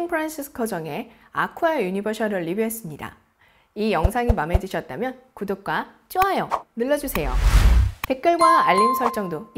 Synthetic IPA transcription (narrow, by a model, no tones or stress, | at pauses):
npʰɯɾanɕʰisʰɯ̥kʰʌd͡ʑʌŋe̞a̰kʰuajuɲibʌɕʰʌɾɯɭːibiɦes͈ɯmɲida̰ | ijʌŋsʰaŋimame̞d͡ʑuɕʰʌt̚t͈amjʌn | kudok̚k͈wa | t͡ɕ͈iɦajʌnɯɭːʌd͡ʑusʰe̞jo̰te̞k̚k͈ʌɭɡwaːʎːimsʰʌɭt͡ɕ͈ʌŋdo